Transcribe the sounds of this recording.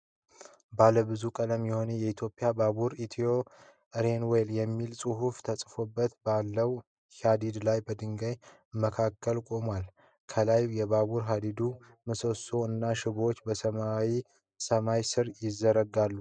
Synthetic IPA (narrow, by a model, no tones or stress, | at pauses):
baləbɨzukʼələmjɛho̞njɛit̪ʰjo̞pʼɪjabaβuɾit̪ʰio̞ | ʔɾenweljɛmːilsʼɨɦuft̪ʰəsʼfo̞bːət̪balːəw | had̪id̪lajbəd̪ɨŋɡəj | məkʰakːəlkʼo̞mwal | kʰəlajjɛbaβuɾɦad̪id̪u | mɨsoso̞ɨnːaʃɪβo̞t͡ʃːbəsəmawi | səmajsɨɾjɪzːəɾəɡalːu